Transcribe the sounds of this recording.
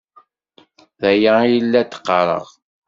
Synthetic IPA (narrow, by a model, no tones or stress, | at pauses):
ðæjəjəlːæt̪ːə̥qːəɾˤə̰ʁ